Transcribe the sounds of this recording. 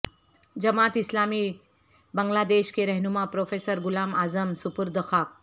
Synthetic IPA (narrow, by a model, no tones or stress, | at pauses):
d͡ʑəmat̪islamiː | bəŋɡlad̪eɕkeɾəɦnumapɾofesəɾɡulamazəmsupuɾd̪əxʰak̚